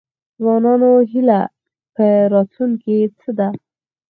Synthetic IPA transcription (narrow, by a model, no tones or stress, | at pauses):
zwɑnɑnoɦila | pəɾɑt̪uŋket͡səd̪a